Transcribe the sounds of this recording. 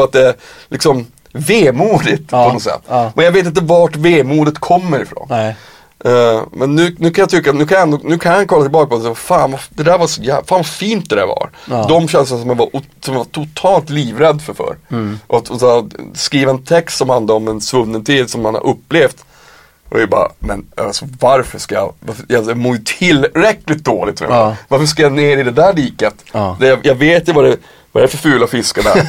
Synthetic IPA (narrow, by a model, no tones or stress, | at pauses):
at̪̚d̪ɛæɾlʔɪksɔm | veːmuːd̪ɪt̪ʰɔnɔsɛ̰t̪ːmʔɛnjaɡveːt̪̬ɪnt̪̬əvaʈveːmuːd̪ət̪kʰɔmːəɾɪfɾo̰ːn | mɛnːʉ̟ːnʉ̟ːkʰanjat̪ʰʏkːanʉːkʰanjaɛnd̪ɔnʉ̟ːkʰanjhankʰɔlːat̪ɪlbɑːkapɔsɛvafaːnvad̪ɛd̪æːɾvaʂɔjæːfaːnvafiːnt̪̚d̪ɛd̪æ̰ɾvɑ̰ɾd̪ɔmɕɛnslnasɔmjanvaɾʔʊsɔmjanvaʈ̪ʰʊt̪ʰɑːlt̪liːvɾɛd̪ːfœɾfœ̰ɾʔɔt̪ɔsskɾiːvaɛnt̪ʰɛkst̪sɔmhand̪aɾɔmɛnsvɵnːənt̪ʰiːd̪sɔmːanha̰ɾʔɵpːleːft̪ | ʔɔ̰bɑ̰ːa̰mɛnsɔvaɾfœʂkaja̰vajasmoːjɵt̪ʰɪlɾɛklɪt̪̚d̪oːlɪ̰t̪ʰːɾ̰vaɾfœʂkajaneːɾɪd̪ɛd̪æːɭiːkət̪d̪ɛjajɑveːt̪jvaɾɛ | va̰ɾæfœɾfʉːlat̪fɪskad̪ɛ̰